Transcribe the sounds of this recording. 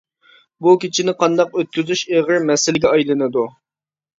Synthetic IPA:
bukʲʰit͡ʃʰinɪqʰɑnd̪ɑqøt̪̚kʲyzyʃeʁɪɾmɛsɪlɪɡʲɛɑjlˠɨnɨd̪u

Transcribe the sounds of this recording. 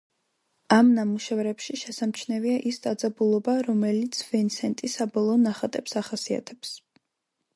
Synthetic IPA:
amnamuʃɛvɾɛpʃiʃɛsamt͡ʃʰnɛviaʔisd̪ʼad̪zabulˠɔbaɾɔmɛlit̪sʰvɛnsɛnt̪ʼisabɔlˠɔːnaχat̪ʼɛpsaχasia̰t̪ʰɛps

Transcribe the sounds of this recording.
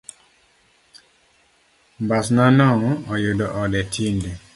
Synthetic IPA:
mbasnanɔŋɔjodɔʔɔdɛtʰinde

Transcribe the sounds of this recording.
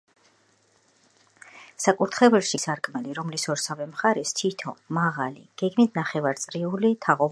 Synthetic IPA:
sakʼuɾt̪ʰχɛvɛɾʃisaɾkʼmɛliɾɔmlisɔɾsavɛmχaɾɛst̪ʰit̪ʰɔ̰maʁalḭɡ̥ɛɡmit̪̚ʰnaχɛvaɾt̪sʼɾiulit̪ʰaʁɔv

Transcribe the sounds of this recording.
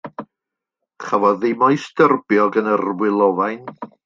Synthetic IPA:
χavɔðɪmɔjsdərbjɔɡənərwɪlˠɔvajn

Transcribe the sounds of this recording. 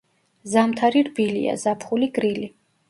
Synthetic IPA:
zamt̪ʰaɾiɾbilḭa̰zapʰχuliɡɾili

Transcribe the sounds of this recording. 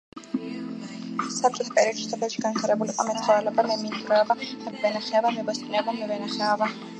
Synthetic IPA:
sap̚t͡ʃʼɔt̪ʰpʼɛɾiɔʃi̥sɔpʰɛlʃiɡant̪ʰaɾɛbuliqʼɔmɛt̪sχɔɛlɛbamɛmint̪ʼɾɛɔbaχɛlvɛnaχɛɔvamɛbɔsʼnɛɔbamɛvɛnaχɛɔva

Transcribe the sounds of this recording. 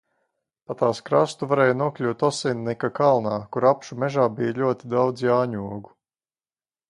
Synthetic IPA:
pat̪aːskɾast̪uvaɾɛːjnuɔklʲuːt̪ɔsɛnnɛkakalˠnaːkuɾapʃumɛʒaːbijaʎʲuɔt̪id̪awd̪zjaːɲuɔɡu̥

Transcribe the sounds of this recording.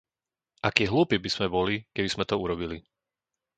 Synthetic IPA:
ʔakiːɦluːpibiz̥mɛbɔlikɛbiz̥mɛt̪ɔuɾɔbili

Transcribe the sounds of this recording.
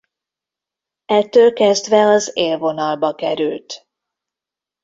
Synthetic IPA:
ɛt̪ːøːlkɛzd̪ʋɛɒzeːlvo̞nɒlbɒkɛɾylt̪

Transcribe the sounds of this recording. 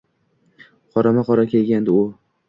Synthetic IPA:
qʰɒɾamaqɒɾakʲʰe̞lɡʲand̪ɪʊ

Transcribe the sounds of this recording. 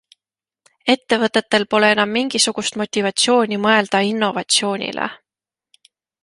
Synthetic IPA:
e̞t̪ːe̞vɤt̪ˑːe̞t̪ːe̞lpo̞le̞e̞nɑmːiŋɡ̥isuɡ̥ust̪mo̞t̪ʲːivɑt̪sʲjo̞ːnʲimɤe̞ld̪̥ɑinːo̞vɑt̪sio̞ːnʲḭlʔḛ

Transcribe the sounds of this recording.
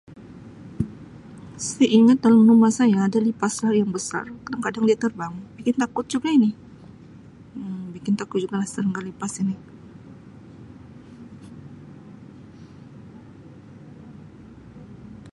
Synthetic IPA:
sajaʔiŋət̪̚dalamnumasajaːdalipaslahjaŋbəsa̰rkadaŋkadaŋdiat̪ərbaŋbikɪnt̪akʊt̪̚d͡ʒuɡainɪ | bikɪnt̪akʊt̪̚d͡ʒuɡalahst̪əɾəŋɡalipasinɪ

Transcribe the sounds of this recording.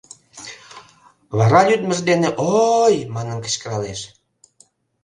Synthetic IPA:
βɑɾɑlyd̪məʒd̪eneʔojmɑnənkə̥̆t͡ɕkəɾɑleʃ

